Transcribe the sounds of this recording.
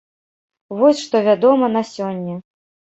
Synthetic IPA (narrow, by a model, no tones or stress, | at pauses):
vɔsʲʂt̪ɔvʲad̪ɔmɐnasʲɔnʲːɐ